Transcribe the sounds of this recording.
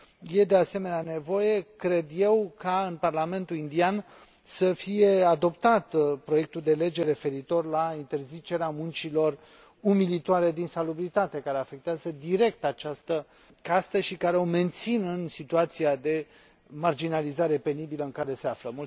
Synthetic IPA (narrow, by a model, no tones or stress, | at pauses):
je̞d̪e̞ase̞me̞neane̞vo̞je̞kɾe̞d̪je̞wkaɨnparlame̞nt̪ulind̪ian | səfije̞ad̪o̞pt̪at̪pɾo̞je̞k̚t̪uld̪ele̞d͡ʒe̞ɾe̞fe̞ɾit̪o̞rlaint̪e̞rzit͡ʃe̞ɾeamunt͡ʃilo̞r | umilit̪oaɾe̞d̪insalubɾit̪at̪e̞kaɾe̞afe̞k̚t̪eazəd̪iɾe̞k̚t̪at͡ʃast̪ə | kast̪əʃikaɾeo̞me̞nt̪sinɨnsit̪uat̪siad̪e̞ | mard͡ʒinalizaɾe̞pe̞nibiləɨŋkaɾe̞seafləmu